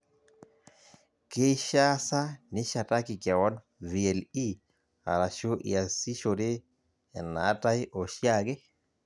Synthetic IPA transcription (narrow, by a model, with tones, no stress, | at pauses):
ke˦ʃa˦sa˦nɪ˦ʃa˨ta˦ki˨kja˨wɔ˦n | vi˨e˨li˦ | a̰˨ɾa˨ʃo˦ʔḭa˨si˦ʃo˨de˦ | ɛ̰˨na̰˨˦ta˦jʔɔ˨ʃja˦ɡe˦